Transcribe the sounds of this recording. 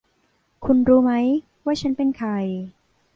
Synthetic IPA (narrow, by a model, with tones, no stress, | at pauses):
kʰu˧nɾuː˦˥ma˦˥j | waː˥˩t͡ɕʰa˦˥npe˧˨˩nkʰɾa˧j